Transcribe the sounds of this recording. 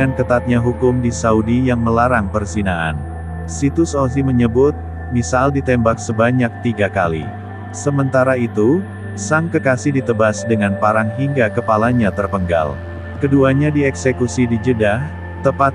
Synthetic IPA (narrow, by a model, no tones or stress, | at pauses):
ankət̪at̪̚ɲaɦukʊmdisaudijaŋməlaɾaŋpərsinaʔa̰n | sit̪usɔlziməɲəbʊt̪̚ | misaldit̪ɛmbak̚səbaɲak̚t̪iɡakalḭ | səmənt̪aɾait̪u | saŋkəkasihdit̪əbasdəŋanpaɾaŋɦiŋɡakəpalaɲat̪ərpəŋɡa̰l | kəduaɲadiɛksekusidid͡ʒədah | t̪əpat̪